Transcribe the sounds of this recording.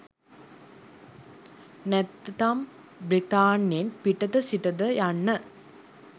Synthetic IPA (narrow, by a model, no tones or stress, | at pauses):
nɛt̪ːt̪am | bɾit̪aːnːjenpiʈɐd̪əsiʈɐd̪əjanːə